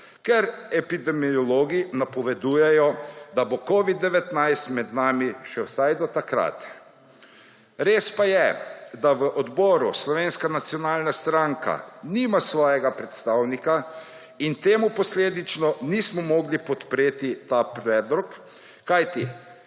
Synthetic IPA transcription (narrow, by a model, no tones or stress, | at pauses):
kɛɾɛpid̪ɛmijɔloːɡinapɔʋɛd̪uːjɛjɔd̪abokoːʋid̪ːɛʋɛt̪najst̪mɛd̪naːmiʃɛwsajd̪ɔt̪akɾa̰t̪ | ɾeːspajɛd̪aʋəʔɔd̪bɔːɾuslɔʋeːnskanat̪sjɔnaːlnast̪ɾaŋka̰niːmasʋɔːjɛɡapɾɛt̪st̪aːwnika | int̪eːmupɔsleːd̪it͡ʃnɔnismɔmɔːɡlipɔt̪pɾeːt̪it̪apɾɛːd̪lɔk | kajt̪i